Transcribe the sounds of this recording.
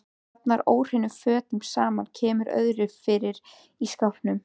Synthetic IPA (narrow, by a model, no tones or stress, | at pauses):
at̪̚naɾoːwr̥ɪnːʏfœːt̪ɪŋksaːmancʰɛːmʏɾœ̰ðɾʏfɪɾɪɾ | iskawpnʏm